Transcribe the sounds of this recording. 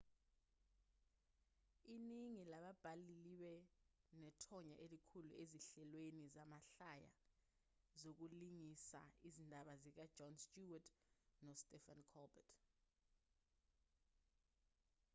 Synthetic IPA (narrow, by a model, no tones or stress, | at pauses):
iniŋilaɓab̥ʱaliliwɛnɛtʰɔɲaʔelikʰulueziɬɛlwenizamaɬaja̰ | zok̬uliŋisa̰izindʱaɓazik̬ad̥d͡ʒ̥ʱɔnstʼuwatʰnɔstʼɛfankʰɔlbɛtʰ